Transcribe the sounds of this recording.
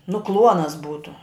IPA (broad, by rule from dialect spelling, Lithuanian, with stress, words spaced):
nʊ ˈklˠuɔnɐs ˈbuːtʊ